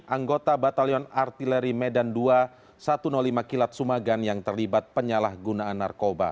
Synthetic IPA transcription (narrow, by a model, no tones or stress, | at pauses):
ʔaŋɡot̪abat̪aliɔnart̪ilɛɾimedandua | sat̪unɔlimakilat̪̚sumaɡanjaŋt̪ərlibat̪̚pəɲalahɡunaːnːa̰rkoba̰